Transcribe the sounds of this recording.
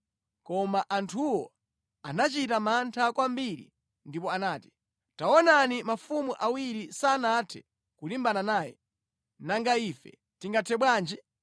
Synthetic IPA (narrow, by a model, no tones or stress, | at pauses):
kɔmaʔantʰuwɔ | anat͡ʃitamantʰakwambiɾḭ | ndip̬ɔanaːti̥ | taɔnanimafumuʔawiɾisanatʰɛ | kulimbananaːjɛ̰ | naŋɡaiːfɛ̰ | tiŋɡatʰɛɓwaːnd͡ʒɛ